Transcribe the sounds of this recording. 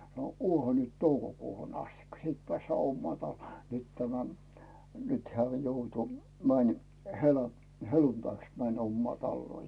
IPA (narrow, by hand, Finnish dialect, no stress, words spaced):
no uohɑ nyt toukokuːhun ɑstikːɑ siːt pĕæˑsːæː omːɑː tɑlːuoˑ nyt tæmæ nyt heæˑ joutu mænʲ helɑ heluntɑiks mænʲ omːɑː tɑlːuoˑ